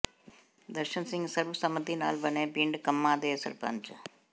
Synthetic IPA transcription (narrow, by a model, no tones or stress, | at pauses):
d̪ɐɾʂɐnsɪŋɡsɐɾʋɐsɐmɐt̪ːina̰ːlʋɐneːpiːɳɖɨkɐmːaːd̪eːɐsɐ̰ɾpɐ̰nd͡ʒɐ̰